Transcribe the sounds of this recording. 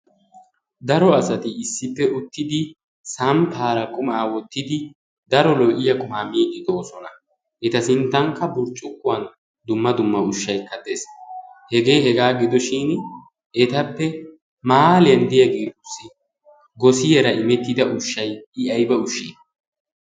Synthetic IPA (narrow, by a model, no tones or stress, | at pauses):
d̪ɐɾɔɐsɐt̪ɪːsːɪpːɛʔʊt̪ːɪd̪ɪ | sɐmpʰaːɾɐkʼʊmɐaːwɔt̪ːɪd̪ɪ | d̪ɐɾɔlɔʔɪjɐkʼʊmaːmiːd̪ɪd̪oːsɔnɐ | ʔɛt̪ɐsɪnt̪ːɐŋkːɐbʊɾt͡ʃʼːʊkːʊwɐn | d̪ʊmːɐd̪ʊmːɐʊʃːɐjkːɐd̪eshɛɡe̞ːhɛɡaːɡɪd̪ɔʃɪn | ʔɛt̪ɐpːɛ | maːlɪjɐnd̪ɪjɐɡeːt̪ʊsɪ | ɡɔsɪjɛɾɐɪmɛt̪ːɪd̪ɐʔʊʃːɐjɪɐjbɛʊʃːi